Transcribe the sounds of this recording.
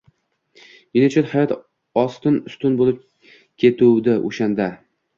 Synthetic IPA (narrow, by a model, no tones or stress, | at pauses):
jinɪt͡ʃʰɪt̪hajɒt̪ | ɒst̪ɪnʊst̪ʊnbolɪp̚ | kʲʰet̪ʰuwd̪ɪʔo̰ʃand̪a